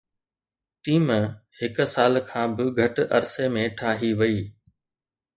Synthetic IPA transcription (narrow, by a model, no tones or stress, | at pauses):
t̪iːmhɪkʊ̆saːlkʰãːbɪɡʱɐʈʔɐɾsemẽʈʰaːɦiʋɐiː